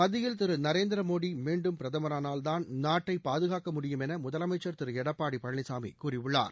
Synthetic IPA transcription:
mɐðɪjɪlt̪ɪɾɯnɐɾeːnd̪ɪɾɐmoːɽimiːɳɖɯmpɪɾɐðɐmɐɾaːnaːld̪aːnnaːʈːɐɪpːaːðɯɣaːkɐmʊɽɪjɯmɛnɐmʊðɐlɐmɐɪt͡ʃːɐɾt̪ɪɾɯɛɽɐpːaːɽipɐɳːɪsaːmḭkuːrɪʋɯɭːa̰ːɾ

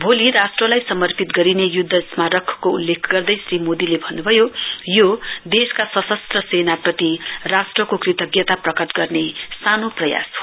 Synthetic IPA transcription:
bʱoliɾasʈrʌlajsʌmʌrpit̪ɡʌɾinejud̪ʱːʌsmaɾʌkʰːkoulːekʰɡʌrd̪ʌjsrimod̪ilebʱʌnːubʱʌjojod̪eskasʌsʌst̪rʌsenaprʌt̪irasʈrʌkokrit̪ʌɡjʌt̪aprʌkʌt̪ɡʌrnesanoprʌja̰sɦo

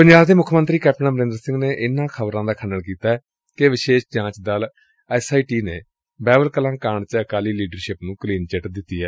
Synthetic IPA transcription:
pəɲd͡ʒaːbd̪eːmʊkʰmənt̪ɾiːkɛːp̚ʈənãːbəɾẽːnd̪əɾsɪ̃ŋɡneːʔɪnãːkʰəbɾãːd̪aːkʰənːəɳkiːt̪aːɛː | keʋɪʃeːʃd͡ʒãːt͡ʃd̪aːl | ɛsaːiːʈiːneː | bɛːbəlkəlãːkaːɳt͡ʃəəkaːliːliːɖəɾʃɪpnũːkəliːnt͡ʃəʈd̪ɪt̪ːiːɦɛː

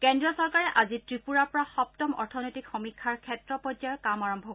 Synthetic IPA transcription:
kɛndɹiɔsɔɹkaɹɛʔazitɹipuɹaɹpɔɹaxɔptɔmɔ̰ɹtʰɔnɔjtikxɔmikʰːaɹkʰɛtɹɔpɔzajɔkamaɹɔmbʱɔk

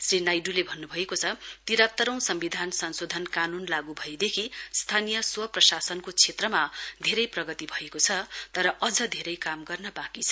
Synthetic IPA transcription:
srinajɖulebʱʌnːubʱʌekot͡sʰʌt̪iɾat̪ːʌɾʌ̃w̃sʌmbid̪ʱansʌnsod̪ʱʌnkanunlaɡubʱʌjd̪ekʰist̪ʰanijʌswʌprʌsasʌnkot͡sʰet̪rʌmad̪ʱeɾʌjprʌɡʌt̪ibʱʌekot͡sʰʌt̪ʌɾʌʔʌd͡zʌd̪ʱeɾʌjkamɡʌrnʌbakit͡sʰʌ̥

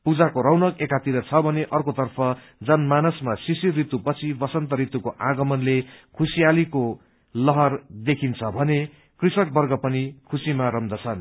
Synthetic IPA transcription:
pud͡zakoɾʌwnʌkekat̪iɾʌt͡sʰʌbʱʌneʔʌrkot̪ʌrpʰʌ | d͡zʌnmanusmasisirit̪upʌt͡sʰibʌsʌnt̪ʌɾit̪ukoʔaɡʌmʌnlekʰusijaliko | lʌɦʌrd̪ekʰint͡sʰʌbʱʌne | krisʌk̚bʌrɡʌpʌnikʰusimaɾʌmd̪ʌt͡sʰʌn

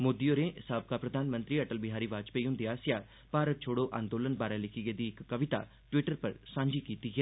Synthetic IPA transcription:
moːd̪ioːɾẽːɪsaːb̚kaːpɾəd̪ʱaːnmə̃nt̪ɾiːəʈəlbɪɦaːɾiːʋaːd͡ʒpeːiɦʊ̃ːnd̪iːaːsɪjaː | paːɾət̪̚t͡ʃʰoːɽoːʔã̰ːnd̪oːlənbaːɾɛːlɪkʰɪɡeːd̪iːɪkːəʋɪt̪a̰ː | ʈʋɪʈəɾpəɾsãːɲd͡ʒiːkiːt̪iːɡɛː

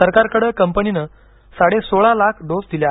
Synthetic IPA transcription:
əɾkaɾkəɽəkəmpəninə | saɽesoɭalakʰɖosd̪ilja

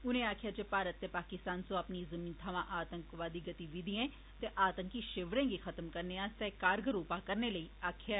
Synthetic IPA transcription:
ʊnẽːaːkʰjaːd͡ʒeːpaːɾət̪ːeːpaːkɪst̪aːnsõapniːzəmiːnt̪ʰaʋãːʔaːt̪əŋkʋaːd̪iːɡət̪iːʋiːd̪iɛ̃ː | t̪eːʔaːt̪əŋkiʃɪʋɾẽːɡiːxʰət̪əmkəɾneːãːt̪ɛːkaːɾɡəɾuːpãːkəɾneːləiːaːkʰjaː

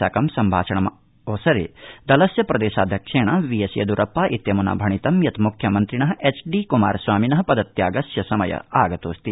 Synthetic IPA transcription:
a̰ːkɐmsɐmbʱa̰ːt͡ʃʰɐɳɐm | oːsɐɾḛːd̪ɐlɐsjɐpɾɐd̪eːʃaːd̪ʱjɐkʂeːɳɐʋijɐsjɐ̰d̪uɾʔɐpːaːʔit̪jɐmuna̰bʱɐɳit̪ɐmjɐt̪mukʰjɐmɐnt̪ɾiɳɐɦɐeːt͡ʃɖikumaːɾsʋaːminɐɦɐpɐd̪ɐt̪jaːɡɐsjɐsɐmɐ̰jɐ̰aːɡɐt̪oːst̪i

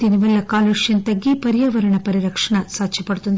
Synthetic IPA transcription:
d̪inɪʋɐlːɐkaːlɐʂjɐnt̪ɐɡːipɐɾɪjaːʋɐɾɐɳɐpɐɾiɾɐkʂɐɳɐsaːt͡ʃɐpːɐɽɯt̪ːund̪

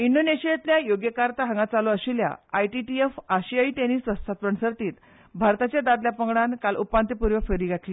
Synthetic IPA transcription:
iɳɖoneɕiet̪ljajoɡjəkaɾt̪aɦə̃ŋɡat͡saloəɕilja̰ajʈiʈiefaɕiait̪eniːsʋəst̪ʰat̪pəɳsəɾt̪iːt̪ | bʱaɾt̪at͡ɕjad̪ad̪ljapəŋɡɽankalʔupːant̪ipuɾʋəfəɾiːɡʱaʈli

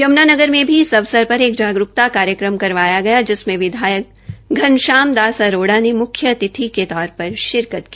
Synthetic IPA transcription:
jɐmnaːnɐɡəɾmẽbʱiɪsɐʋsəɾpɐɾeːkd͡ʒaːɡɾʊk̚t̪akaːɾjəkɾəmkɐɾʋaːjaɡɐjad͡ʒɪsmẽʋɪd̪ʱaːjək̚ɡʱɐnʃaːmd̪aːsaɾoːɽanemʊkʰjət̪ɪt̪ʰiket̪ɔːɾpɐɾʃɪɾkət̪ki

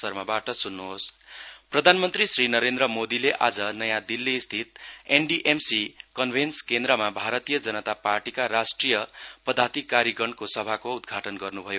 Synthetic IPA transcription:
ʌrmabaʈʌsunːuɦosprʌd̪ʱanmʌnt̪risrinʌɾend̪ɾʌmod̪ileʔad͡zʌnʌjãd̪ilːist̪ʰit̪̚enɖiʔemsikʌnbʱenskend̪ɾʌmabʱaɾʌt̪ijʌd͡zʌnʌt̪aparʈikaɾasʈrijʌpʌd̪ʱat̪ikaɾiɡʌɳkosʌbʱakoud̪̚ɡʱaʈʌnɡʌrnubʱʌjo

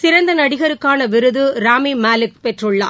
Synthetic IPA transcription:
sɪɾɐnd̪ɐnɐɽɪɣɐɾɯkːaːnɐʋɪɾɯðɯɾaːmimaːlɯk̚pɛʈrɯɭːaː

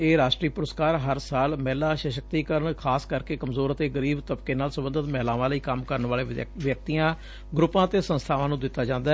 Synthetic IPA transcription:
eːɾaːʃʈɾiːpʊɾəskaːɾɦəɾsaːlmɛːlaːʃəʃək̚t̪iːkəɾəɳkʰaːskəɾkeːkəmzoːɾət̪eːɡəɾiːbt̪əbkeːnaːlsəbənd̪ət̪mɛːlãːʋãːləiːkəmkəɾəɳʋaːleːʋjək̚t̪ijãː | ɡɾʊpːãːt̪eːsə̃nst̪ʰaːʋãːnũːd̪ɪt̪ːaːd͡ʒãːnd̪a

